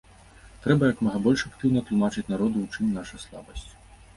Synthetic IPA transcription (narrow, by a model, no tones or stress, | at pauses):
t̪ɾɛbɐjɐkmɐɣɐbɔlʲʂakt̪ɨwnɐt̪lˠumat͡ʂɨt͡sʲnaɾɔd̪uwt͡ʂɨmʲnaʂɐjslˠa̰bɐsʲt͡sʲ